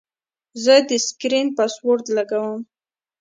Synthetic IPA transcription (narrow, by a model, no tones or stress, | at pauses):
zəd̪əskɾinpaswoɾt̪laɡawəm